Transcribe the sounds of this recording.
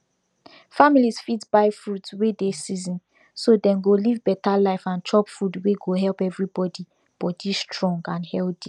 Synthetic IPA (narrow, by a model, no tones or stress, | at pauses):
familisfitbaɪfɹutwedesizĩn | sodɛ̃mɡolivbɛtalaɪfãnt͡ʃʰɔpfudweɡoɦɛlˠpɛvɹibɔdi | b̥ɔdistɹɔ̃ŋɡãnhɛlti